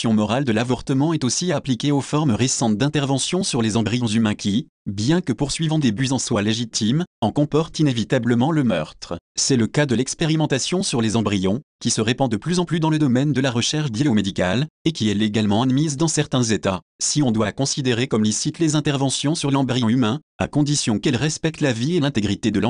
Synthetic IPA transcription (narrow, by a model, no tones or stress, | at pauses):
sjɔ̃mɔʁald̪əlavɔʁt̪əmɑ̃ɛt̪osiaplikʲeofɔʁmʁesɑ̃t̪̚d̪ɛ̃t̪ɛʁvɑ̃sjɔ̃syʁlezɑ̃bʁijɔ̃zymɛ̃kʲi | bjɛ̃kəpuʁsɥivɑ̃d̪ebyzɑ̃swaleʒit̪ʰimɑ̃kɔ̃pɔʁt̪inevit̪abləmɑ̃ləmœ̰ʁt̪χsɛləkad̪əlɛkspeʁimɑ̃t̪asjɔ̃syʁlezɑ̃bʁijɔ̃kʲisəʁepɑ̃d̪əplyzɑ̃plyd̪ɑ̃ləd̪ɔmɛnd̪əlaʁəʃɛʁʃd̪jaomed̪ikalekʲiɛleɡalmɑ̃ad̪mizd̪ɑ̃sɛʁt̪ɛ̃zet̪a | siɔ̃d̪wakɔ̃sid̪eʁekɔmlisit̪lezɛ̃t̪ɛʁvɑ̃sjɔ̃syʁlɑ̃bʁijɑ̃ymɛ̃a̰kɔ̃d̪isjɔ̃kɛlʁɛspɛk̚t̪lavielɛ̃t̪eɡʁit̪ed̪əl̃